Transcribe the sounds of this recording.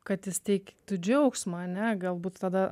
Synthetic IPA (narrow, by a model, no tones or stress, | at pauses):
kɐt̪jɪst̪ʲɛɪkt̪ʊd͡ʒʲɛʊksmɐɐnʲɛɡɐlˠbuːt̪t̪ɐd̪ɐ